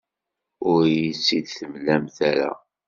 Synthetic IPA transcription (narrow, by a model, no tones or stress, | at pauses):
ʊɾjisːid̪θəmlæmθæɾa̰